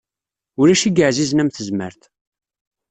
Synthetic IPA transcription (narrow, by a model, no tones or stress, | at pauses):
ʊɾæʃiɡəʕziznæmθəzmə̰ɾθ